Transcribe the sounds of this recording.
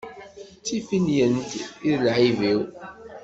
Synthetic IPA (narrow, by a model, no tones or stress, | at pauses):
t͡sːifinjənt̪iðəlʕiviw